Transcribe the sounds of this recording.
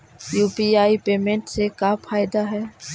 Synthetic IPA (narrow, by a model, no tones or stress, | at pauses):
juːpiaːipeːmẽɳʈsekapʰaːjd̪aɦɛː